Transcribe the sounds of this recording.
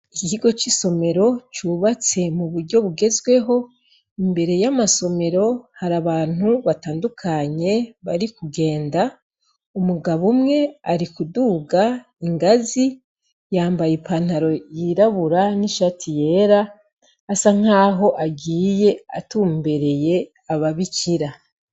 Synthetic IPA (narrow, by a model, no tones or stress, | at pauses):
icihiɡo̞t͡ʃiso̞me̞ɾo̞t͡ʃuβat͡se̞muβuɾɟo̞βuɡe̞zwe̞ɦo̞ | imbe̞ɾe̞jamaso̞me̞ɾo̞haɾaβaːn̥huβataːndukʰaɲe̞βaɾikuɡe̞ːnda | umuɡaβumŋe̞aɾikuduːɡa | iŋɡazi | jaːmbajepaːn̥aɾo̞jiɾaβuɾaniʃatʰije̞ːɾaː | saŋ̥aːɦo̞ʔaɡiːje̞a̰tuːmbe̞ɾe̞je̞ | aβaβiciɾa